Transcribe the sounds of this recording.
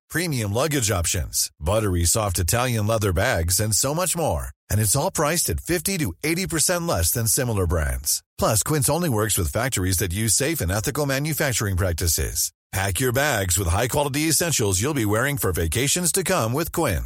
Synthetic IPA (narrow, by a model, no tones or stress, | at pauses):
pʰɹ̥ĩmiɨ̃mlʌɡɨd͡ʒɑpʃɨ̰̃nz̥bʌɾə˞isɔftɨtʰælˠjɨ̃nlɛðə˞bæɡzɨ̃nsoʊmʌt͡ʃmɔɹɨ̃ñɨtsɔlˠpʰɹ̥aɪstɨtfɪftiɾɨeɪɾipʰə˞sɛ̃nʔlɛsðɨ̃nsɪ̃ml̩ˠə˞bɹæ̰̃ndz̥pʰl̥ʌskʰw̥ɪ̃nsõʊ̃nliwɜ˞kswɨð̥fæk̚tə˞izðɨt̬̚jʉz̥seɪfɨ̃nɛθɨkl̩ˠmæ̃njɨfæk̚t͡ʃə˞ɪ̃ŋpʰɹ̥æk̚tɨsɪ̰z̥ | pʰækjə˞bæɡzwəð̥ɦaɪkʰw̥ɑlˠəɾiɨsɛ̃nʃl̩ˠzjulˠbiwɛɹɪ̃ŋfə˞veɪkʰeɪʃɨ̃nz̥tʰɨkʰʌ̃mwɪð̥kʰw̥ɪ̃n